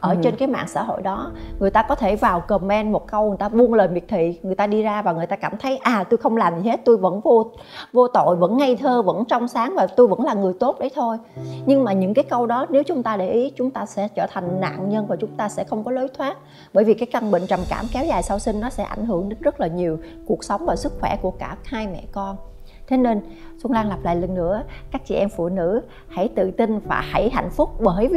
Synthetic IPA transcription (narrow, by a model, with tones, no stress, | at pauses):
ʔəː˧˩t͡ɕe˧nkaː˨˦jma̰ː˧˨ŋsa̰ː˧˥˩ɦo̰˧˨jɗɔ˨˦ŋɨ˨˩əjt̪aː˧kɔ˨˦t̪ʰe˧˩vaː˨˩wkəː˨˩mɛ˧nmo˨˩t̚kə˧wŋ˨˩jt̪aː˧vu˧ənləː˨˩mi˨˩ək̚t̪ʰḭ˧˨ŋɨ˨˩əjt̪aː˧ɗi˧zaː˧vaː˨˩ŋɨ˨˩əjt̪aː˧kaː˧˩mt̪ʰə˨˦jʔaː˨˩t̪u˧jxə˧wŋ͡mlaː˨˩mzi˨˩he˦˥t̚t̪u˧jvə̰˧˥nvo˧ | vo˧t̪o̰˧˨jvə̰˧˥nŋa˧jt̪ʰəː˧və̰˧˥nt͡ɕɔ˧wŋ͡msaː˨˦ŋvaː˨˩t̪u˧jvə̰˧˥nlaː˨˩ŋɨ˨˩əjt̪o˦˥t̚ɗə˨˦jt̪ʰo˧jɲɨ˧ŋmaː˨˩ɲɨ̰˧˥ŋkaː˨˦jkə˧wɗɔ˨˦ne˨˦wt͡ɕʊ˨˦ŋ͡mt̪aː˧ɗe˧˩ʔi˨˦t͡ɕʊ˨˦ŋ͡mt̪aː˧sɛ̰˧˥t͡ɕəː˧˩t̪ʰa˨˩ŋ̟na̰ː˧˨nɲə˧nvaː˨˩t͡ɕʊ˨˦ŋ͡mt̪aː˧sɛ̰˧˥xə˧wŋ͡mkɔ˨˦lo˨˦jt̪ʰwaː˦˥t̚ | ɓəː˧˩jvi˨˩kaː˨˦jkə˧nɓḭ˧˨ŋ̟t͡ɕa˨˩mka̰ː˧˩mkɛ˨˦wzaː˨˩jsaː˧wsï˧ŋ̟nɔ˨˦sɛ̰˧˥ʔa̰˧˩jŋ̟ɦɨ˧˩əŋɗe˨˦nzə˦˥t̚laː˨˩ɲi˨˩əw | ku˨˩ək̚sə˨˦wŋ͡mvaː˨˩wsɨ˦˥k̚xwɛ˧˩ku˧˩əkaː˧˩haː˧jmɛ̰˧˨kɔ˧n | t̪ʰe˨˦ne˧n | su˧nlaː˧ŋla˨˩p̚la̰ː˧˨jlə˨˩ŋ̟nɨ̰˧˥əkaː˦˥k̚t͡ɕḭ˧˩ʔɛ˧mfṵ˧˨nɨ̰˧˥ | ha̰˧˩jt̪ɨ̰˧˨t̪i˧nva̰ː˨˩ha˧˩jɦa̰˧˨jŋ̟fʊ˦˥k͡p̚ɓəː˧˩j